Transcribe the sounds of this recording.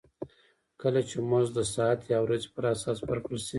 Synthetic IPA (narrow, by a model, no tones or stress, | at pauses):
kəlat͡ʃemozd̪əsɑat̪jɑwɾazepəɾasɑsbəɾkɽəlsi